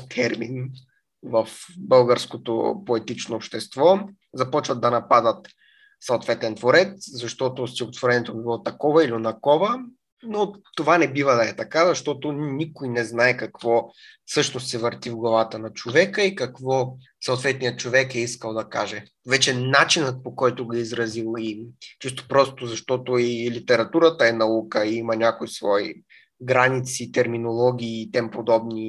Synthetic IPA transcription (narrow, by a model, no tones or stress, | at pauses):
t̪ʰɛɾmin | vəfbɤlˠɡəɾskot̪o̰poɛt̪it͡ʃnoːpʃt̪ɛst̪vɔ | zɐpɔt͡ʃvɐd̪̚d̪ɐnɐpad̪ət̪ | sɐʊt̪vɛt̪ɛnt̪voɾɛt̪szɐʃt̪ɔt̪ʊst̪ʲiɡot̪voɾɛnɛt̪obibilˠɔt̪ɐkɔvəilionɐkɔvə | not̪ovanɛbivəd̪ɐɛt̪ɐkazɐʃt̪ɔt̪onʲikʊjnɛznaɛkɐkvɔfsɤʃnost̪sɛvəɾt̪ivɡlˠɐvat̪ənɐt͡ʃovɛkəikɐkvɔ | sɐʊt̪vɛt̪̚nijət̪̚t͡ʃovɛkɛiskəlˠd̪ɐkaʒɛ | vɛt͡ʃɛnat͡ʃinət̪̚pokɔjt̪ʊɡɐizɾɐzilˠit͡ʃist̪o̥pɾɔst̪ozɐʃt̪ɔt̪oilit̪ɛɾɐt̪uɾət̪əɛnɐukəiimɐnʲakojsvɔḭ | ɡɾanit̪sit̪ɛɾminolˠɔɡ̟ʲiːt̪ɛmpod̪ɔbni